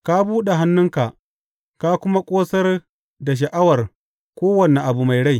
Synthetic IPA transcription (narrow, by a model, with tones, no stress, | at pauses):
ka˦buː˦ɗe˨ɦa˦nːʊ˦ŋka˨ʔ | ka˦kʷʊ˦ma˦kʷʼoː˦sɐ˦r | da˨ʃ̬ɐ˨ʔa˦wɐ˨r | kʷoː˦wɐ˨ne˨ʔa˨bu˨ma˨jɽa˦j